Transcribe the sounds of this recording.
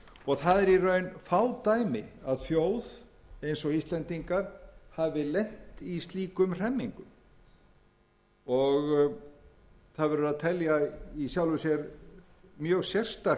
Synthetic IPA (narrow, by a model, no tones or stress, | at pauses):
ɔɣθaðɛɾirœːɥnfaːwt̪ajmɪaðθjoːwðejnsɔɣist̪lɛnt̪iŋkaɾ̥havɪlejn̥t̪ist̪liːkʏmr̥ɛmːiŋkʏm | ɔɣ | θaðvɛɾʏɾaðt̪ʰɛljaisjawlʏsjɛɾ | mjœːɣsjɛr̥st̪a